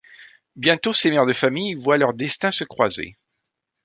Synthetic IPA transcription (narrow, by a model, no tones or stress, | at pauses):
bjɛ̃t̪osemɛʁd̪əfamijvwalœʁd̪ɛst̪ɛ̃səkχwazḛ